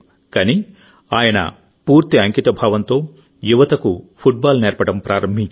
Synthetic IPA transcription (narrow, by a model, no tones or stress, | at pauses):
kɐni | aːjɐnɐ̰ | puːɾt̪iɐŋkit̪ɐbʱaːʋɐnt̪o̞ː | juʋɐt̪ɐkupʰuʈ̚baːlneːɾpɐɽɐmpɾaːɾɐmbʱiɲt͡ʃ